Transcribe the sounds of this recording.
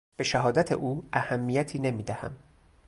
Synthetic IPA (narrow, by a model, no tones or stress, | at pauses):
b̥eʃæɦɒːd̪æt̪ʰḛʔuːæhæmːijæt̪ʰiːne̞miːd̪æhæ̰m